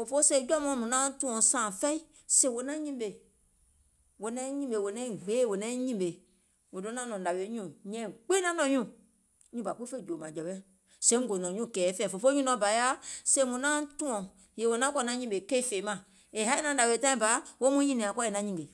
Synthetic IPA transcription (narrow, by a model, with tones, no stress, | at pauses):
fo˨fo˦se˧˨˦d͡ʒɔ˦mɔ̃˨˧˦mũ˨nã˦tũ˦ɔ̃˧˨sãː˨fɛ˦i˦ | sẽ˧˨wo˧˦nã˦ɲĩ˦be˨ | wo˧nɛ̃˦ɲĩ˦be˨wo˨nɛ̃˦ĩ˦˨ɡ͡beː˨˦˨wo˨nɛ̃˦ɲĩ˦˨be˨ | wo˨dõ˦nã˦nɔ̃˨da˨we˨˦ɲũ˦˨ɲɛ̃˨k͡pe˦nã˦nɔ̃˨ɲũ˦˨˦ | ɲũ˧ba˨ku˦fe˦˨d͡ʒo˨mã˨d͡ʒɛ˨bɛ̃˦ | sẽ˦ŋ˦ɡo˨nɔ̃˨ɲũ˦˨kɛː˨˦fɛː˦˨fo˨fo˦ɲũ˦nɔ̃˨˧˦ba˨˦ja˦sẽ˧˦mũ˨nã˦tũ˦ɔ̃˨ | je˨wo˨˧nã˦kɔ˧˨nã˧˦ɲĩ˧˦be˨ke˦fe˨˦mã˨ | e˨ha˦i˦nã˧˦da˨we˧˨tã˦ĩ˨ba˨˦wo˦mũ˧˦ɲĩ˦nĩ˨ã˨kɔ˦e˨nã˧˦ɲĩ˨ɡe˨